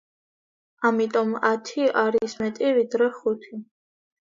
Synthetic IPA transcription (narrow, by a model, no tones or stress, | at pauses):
amit̪ʼɔmat̪ʰiaɾismɛt̪ʼivid̪ɾɛχut̪ʰi